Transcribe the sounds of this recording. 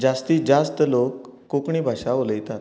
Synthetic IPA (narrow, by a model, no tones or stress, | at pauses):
d͡ʑast̪iːd͡ʑast̪əlokː | okɳ̃iːbʱaʂaoləjt̪at̪